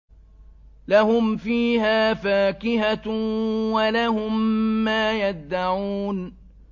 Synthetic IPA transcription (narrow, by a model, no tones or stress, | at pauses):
lahʊmfiːhaːfaːkɪɦa | walahʊmːaːjad̪ːaʕuːn